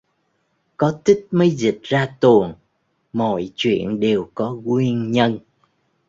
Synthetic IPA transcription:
kɔ˨˦t̪ï˦˥t̚mə˨˦jzi˨˩t̚zaː˧t̪u˨˩əŋ | mɔ̰˧˨jt͡ɕwḭ˧˨ənɗe˨˩wkɔ˨˦kwi˧ənɲə˧n

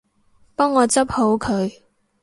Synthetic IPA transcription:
pɔː˥ŋːɔː˨˧t͡sɐ˥p̚ho˨˥wkʰɵ˨˧ɥ

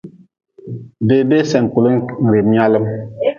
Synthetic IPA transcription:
be˨be˦sɛ˨ŋ˨ku˨lə˦ŋ̩˨ɾe˨mi˦a˦lə˦m

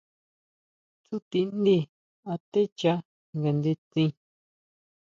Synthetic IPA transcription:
t͡su˦t̪i˧nd̪i˦˨ | a˧t̪e˦t͡ʃa˦ | ŋɡa˨nd̪e˧t͡sĩ˧

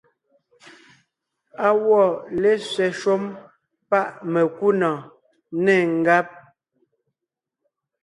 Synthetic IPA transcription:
a˨wɔ˦˨le˦sɥɛ˨ʃo˦m | pa˦˨ʔme˨ku˦nɔ˨ | nɛ˦˨ŋ̩˨ɡa˦p̚

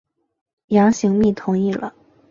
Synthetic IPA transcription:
jɑ˧˥ŋɕi˧˥ŋmi˥˩t̪ʰʊ˧˥ŋi˥˩lə̰˩

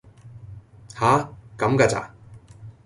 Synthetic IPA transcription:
haː˨˦kɐ˨˥mka˧t͡sa̰˨

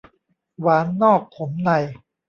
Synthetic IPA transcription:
waː˨˦˥nːɔː˥˩k̚pʰo˩˦mna˧˩j

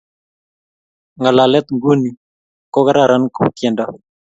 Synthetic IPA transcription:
ŋa˨la˨lɛ˦t̪ŋɡu˦ni˨ | kɔ˦ka˦ɾa˨ɾa˦nko˨kɛ˨nda˦

